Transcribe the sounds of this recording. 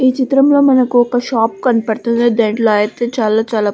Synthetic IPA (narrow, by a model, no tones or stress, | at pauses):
iːt͡ʃit̪ɾɐmlo̞ːmɐnɐkuɔkɐʃaːp̚kɐnipɐɽt̪und̪iːd̪eɳɖloaːjɐt̪eːt͡ʃaːlaːt͡ʃaːlaː